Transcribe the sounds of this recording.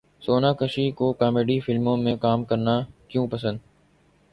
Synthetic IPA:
soːnaːkəʃiːkoːkaːmeːɖiːfɪlmõːmẽːkaːmkəɾnaːkjũːpəsə̃nd̪

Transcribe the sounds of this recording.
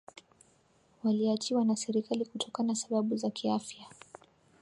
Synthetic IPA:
waliat͡ʃiwanasɛɾikalikutʰɔkanasaɓaɓuzakiafja

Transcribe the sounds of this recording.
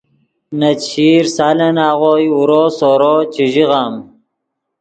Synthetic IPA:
nɐt͡ɕʰiːɾsaːlɐnaːʁoːjuɾoːsoːɾot͡ɕiʑiɣaːm

